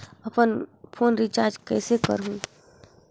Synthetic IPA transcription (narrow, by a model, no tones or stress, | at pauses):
əpənpʰoːnɾit͡ʃaːɾd͡ʒkɛ̰ːsekə̰ɾɦũ